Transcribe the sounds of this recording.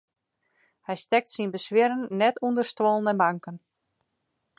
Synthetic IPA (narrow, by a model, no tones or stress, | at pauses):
hɛjstɛk̚tsinbəsʋɪɾənːɛtʰundərstwɔlˠənəbaŋkən